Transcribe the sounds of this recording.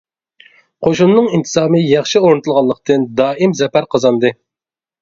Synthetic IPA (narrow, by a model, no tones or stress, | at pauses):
qʰoʃunːɨŋint̪ʰɨ̥zɑːmɨjɑχʃioɾnɨt̪ʰulˠʁɑlˠəq̚t̪ʰɨnd̪ɑːʔimzɛpæɾqʰɑzɑnd̪ɨ